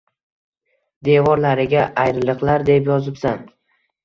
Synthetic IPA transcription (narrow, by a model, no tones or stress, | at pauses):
d̪e̞vɒɾlaɾɪɡʲaʔajɾɪlˠɨqlˠaɾd̪e̞pjɒzɪpsan